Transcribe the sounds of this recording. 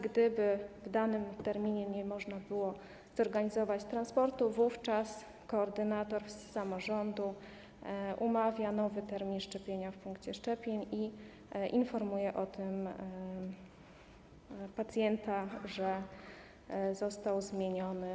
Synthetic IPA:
ɡd̪ɘbɘvd̪anɘmt̪ɛɾmʲiɲɛɲɛmɔʐnabɘwɔ | z̥ɔɾɡaɲizɔvat͡ɕt̪ɾanspɔɾt̪uvuft͡ʂas | kɔːɾd̪ɘnat̪ɔɾfːamɔʐɔnd̪u | ʔumavʲjanɔvɘt̪ɛɾmʲinʂt͡ʂɛpʲjeɲafpuŋkt͡ɕɛʂt͡ʂɛpʲjeɲi | ʔinfɔɾmujɛʔɔt̪ɘm | pat̪sʲjɛnt̪aʐɛ | zɔst̪awzmʲjeɲɔnɘ

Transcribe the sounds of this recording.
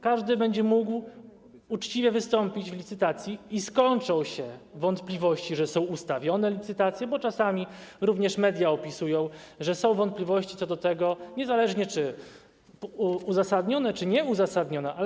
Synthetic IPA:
kaʐd̪ɘbɛɲd͡ʑɛmuɡw | ut͡ʂt͡ɕivʲjɛvɘst̪ɔmpʲid͡ʑvlʲit̪sɘt̪at̪sʲjiːskɔɲt͡ʂɔ̃w̃ɕɛvɔnt̪plʲivɔɕt͡ɕiʐɛsɔ̃w̃ust̪avʲjɔnɛlʲit̪sɘt̪at̪sʲjɛbɔt͡ʂasamʲiɾuvɲɛʂmɛd̪ʲjaɔpʲisujɔ̃w̃ʐɛsɔ̃w̃vɔnt̪̚plʲivɔɕt͡ɕit̪sɔd̪ɔt̪ɛɡɔɲɛzalɛʐɲɛt͡ʂɘ | uzasad̪ɲɔnɛt͡ʂɘɲɛuzasad̪ɲɔnɛʔa

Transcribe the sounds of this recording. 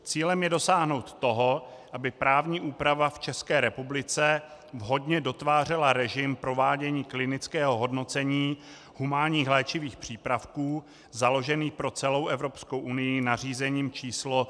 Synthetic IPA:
t͡siːlɛmjɛdo̞saːɦno̞wt̪ːo̞ɦoʔabɪpɾaːvɲiːʔuːpɾavaft͡ʃɛskɛːɾɛpublɪt͡sɛ | vɦo̞dɲɛdo̞t̪vaːr̝ɛlaɾɛʒɪmpɾo̞vaːɟɛɲiːklɪnɪt͡skɛːɦo̞ɦo̞dno̞t͡sɛɲiː | humaːɲiːxlɛːt͡ʃɪviːxpr̝̥iːpɾafkuː | zalo̞ʒɛniːxpɾo̞t͡sɛlo̞wʔɛvɾo̞pskowʔunɪjɪnar̝iːzɛɲiːmt͡ʃiːslo

